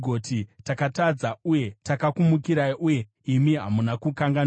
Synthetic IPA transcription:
ɡʱotʰitakatad͡zauje̞takakumukiɾaiʔuje̞ | imiɦa̰munakukaŋɡan

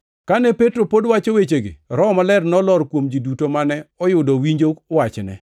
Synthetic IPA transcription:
kanɛpetɾopodwat͡ʃowet͡ʃeɡɪ̰ɾɔmalɛrnɔlɔɾkwomd͡ʒidutomanɛɔjʊdowiɲd͡ʒokwat͡ʃnɛ̰

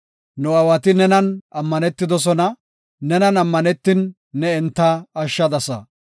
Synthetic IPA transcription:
nɔɐwɐt̪ɪnɛnɐnɐmːɐnɛt̪ːɪd̪ɔs̬ɔnɐ | nɛnɐnɐmːɐnɛt̪ːɪnː | ɛɛnt̪ːɐːʃːɐd̪ɐsɐ̰

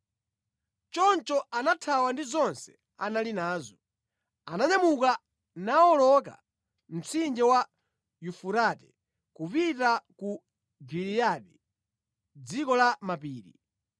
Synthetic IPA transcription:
t͡ʃɔnt͡ʃɔanatʰawandizɔnsɛ̥ | analinaːzɔ | anaɲamuka | naɔlɔk̬a̰ | m̩t͡sʰind͡ʒɛwa | jufuɾatɛ | kupitaku | ɡiɾijaɗi | d͡zikɔlamapiːɾḭ

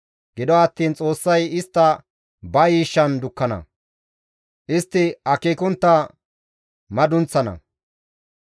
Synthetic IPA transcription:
ɡɪd̪ɔɐt̪ːiːnt͡sʼo̞ːsːɐjɪst̪ːɐ | bɐjiːʃːɐnd̪ʊkːɐnɐ̰ | ʔɪst̪ːɪɐkiːkʊnt̪ːɐ | mɐd̪ʊnt͡sːɐnɐ̰

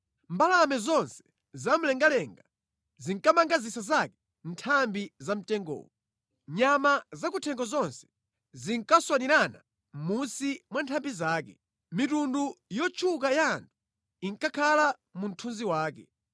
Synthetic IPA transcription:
mbalamɛzɔnsɛ̥ | zam̩lɛŋɡalɛŋɡa | ziŋkamaŋɡazisazakɛ̥ | ntʰambizam̩tɛŋɡɔ̰ːɔ | ɲamazakutʰɛŋɡɔzɔnsɛ̥ | ziŋkaswaniɾana̰ | m̩munsimwantʰambizaːkɛ̰ | mitundujɔt͡ʃʰukajaːntʰu̥ | iŋkakʰala | mun̩tʰunziwaːkɛ̰

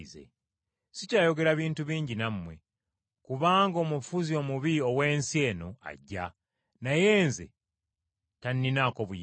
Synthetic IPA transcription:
zḛ | sicaːjo̞ɡe̞ɾaβiːntuβiːɲɟinamːwe̞̰ | kuβaːŋɡo̞mufuzio̞muβio̞we̞ːnsie̞ːno̞̰a̰ɟːa̰ | naje̞ːnzḛ | tanːinako̞βuj

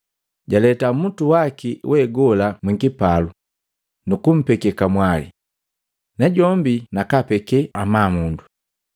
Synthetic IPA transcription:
ɟalɛtamutuwakiwʔɛɡɔlamwiŋɡipalu | nukum̩pɛkɛkamwalḭ | naɟɔmbinakapɛkɛamaːmundu

